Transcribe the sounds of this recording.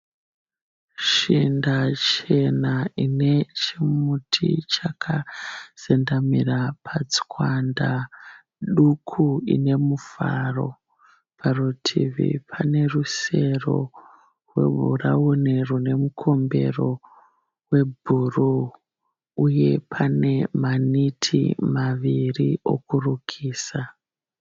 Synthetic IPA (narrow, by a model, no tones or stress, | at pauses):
ʃindat͡ʃe̞naine̞t͡ʃimutʰit͡ʃakʰaz̥endamirapʰat͡skwanda | ɗukʰuḭne̞mufa̰ro̞ | parutʰiʋḭpʰane̞ruse̞ro̞̰ | rwe̞̰ɓṵraunerune̞mukʰo̞mbe̞̰ro̞ | we̞bʱuru | uje̞pʰane̞manitʰḭmaʋirio̞̰kurukʰiːsa